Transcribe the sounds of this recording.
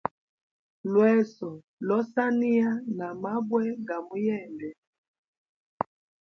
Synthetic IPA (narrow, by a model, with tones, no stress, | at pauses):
lwɛ˦sɔ˨ | lɔ˦sa˦ni˦a˦na˨ma˦bwɛ˦ɡa˨mu˨˦jɛ˦˨ndɛ˨